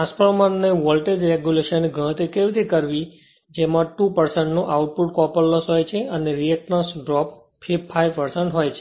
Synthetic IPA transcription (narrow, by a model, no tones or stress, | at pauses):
aspəɭmanːeʋɔlʈed͡ʒɾeɡjuleʃənɡʱə̃t̪ikeʋt̪ʰikəɾʋi | d͡ʒemãʈupəɾsəɳʈnoʔauʈ̚puʈ̚kɔpəlːɔsɦojt͡ʃʰeəneɾiət̪nasɖɾɔp | pʰːipʰːajʋpəɾsəɳʈɦojt͡ʃʰe̥